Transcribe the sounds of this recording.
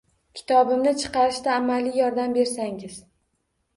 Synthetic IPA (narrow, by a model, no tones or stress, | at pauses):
kʲʰɪ̥t̪ʰɒbɪmnɪt͡ʃʰɨ̥qɑɾɪʃd̪aːmalijɒɾd̪ambe̞ɾsaŋɪz̥